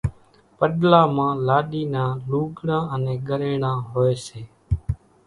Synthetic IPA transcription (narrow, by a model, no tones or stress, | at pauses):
pəɗlaːmãːlaːɗiːnãːluːɡɳãːənẽːɡəɾeːɳãːɦoːeːseː